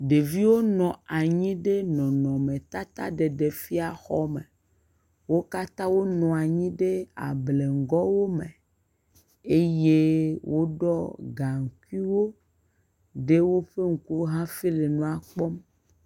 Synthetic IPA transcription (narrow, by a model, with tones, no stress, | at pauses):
ɖe˨vi˦wo˦nɔ̃˨a˨ɲĩ˦ɖe˦nɔ̃˨nɔ̃˨mẽ˨t̪a˦t̪a˦ɖe˨ɖe˨fi˦a˨xɔ˦mḛ˨ | wo˦ka˦t̪ã˦wo˦nɔ̃˨a˨ɲĩ˦ɖe˦a̰˨ble˨ŋ̩˨ɡɔ˦wo˦mẽ˨ | e˦je˦wʔo˦ɖɔ˦ɡa˨ŋ̩˨ku˦i˦wo˦ | ɖe˦wo˦ɸe˦ŋ̩˨ku˦ɦã˦fi˦le˨nɔ̃˦a˨k͡pɔ˦m